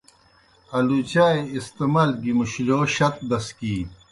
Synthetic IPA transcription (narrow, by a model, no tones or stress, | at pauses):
ɐlut͡ɕaːeist̪emaːlɡimuɕiloːɕɐt̪̚d̪ɐskiː